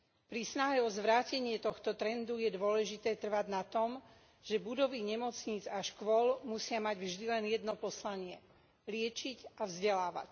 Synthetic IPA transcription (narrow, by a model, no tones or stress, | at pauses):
pɾisnaɦɛɔzʋɾaːcɛɲɪɛt̪ɔxt̪ɔt̪ɾɛnd̪ujɛd̪ʊɔlɛʒit̪ɛːt̪r̩ʋaɟnat̪ɔm | ʒ̥ɛbud̪ɔʋiɲɛmɔt͡sɲiːd͡zaʃkʋɔlmusɪamaɟvʒd̪ilɛnjɛd̪nɔpɔslaɲɪɛ | lɪɛt͡ʃicavzɟɛlaːʋa̰c